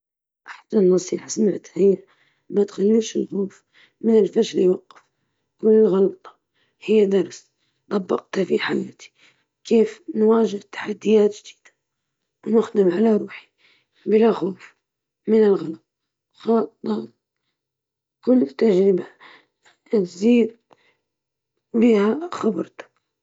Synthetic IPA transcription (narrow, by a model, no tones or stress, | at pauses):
ʔaħsanːɑsˤiːħasamaʕt̪hɪjːa | mat̪xalːiʃɪlxoːf | mɪnɪlfaʃljwɑqːɪf | kʊlːɪlɣɑlt̪ˤɑ̥ | hɪjːad̪ɑɾˤs | d̪ˤɑbːɑ̰q̚t̪hafiħajaːt̪i̥ | keːfnwaːʒɪht̪ːḁħad̪ːɪjaːt̪ʒd̪i̥ːd̪̥ḁ | wnʊxd̪ɪmʕalaɾˤuːħi̥ | bɪlaxoːf | mɪnɪlɣɑlt̪̚ˤ | xɑːt̪ˤːɑ | kʊlːt̪ːad͡ʒɾɪba | t̪ziːd̪̚ | biːhaxɑbɑɾt̪ḁ